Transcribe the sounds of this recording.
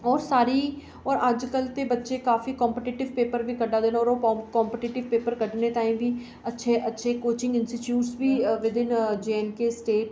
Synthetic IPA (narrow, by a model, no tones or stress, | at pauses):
ɔːɾsaːɾiː | ɔːɾəd͡ʒkəlt̪eːbətːʃeːkaːfiːkɔːmpəʈɪʈɪʋpeːpəɾʋiːkəɖaːd̪eːnɔːɾoːkɔːmpʈɪʈɪʋpeːpəɾkəʈneːt̪ãːĩːbiː | ətːʃʰeʔətːʃʰeːkoːt͡ʃɪ̃ŋɡɪnsit͡ʃjuːʈsʋiːʋɪd̪ɪnd͡ʒeːɛnkeːsʈeːʈ